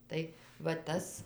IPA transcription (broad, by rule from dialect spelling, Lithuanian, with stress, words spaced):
ˈtɐɪ ʋɐ ˈtɐs